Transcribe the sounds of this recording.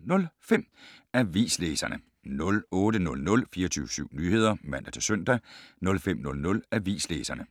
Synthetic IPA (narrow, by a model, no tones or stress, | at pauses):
nɔ̽lfem̰æʋḭːsleːsɐnʔə | nɔ̽lɔːdənɔ̽lnɔ̽lfiːɐɒt͡sʰyːʊəsyʊ̰nyːhe̝ð̞̰ˠɐmæn̰d̥ɐt͡sʰe̝søn̰d̥ænɔ̽lfem̰nɔ̽lnɔ̽læʋḭːsleːsɐnə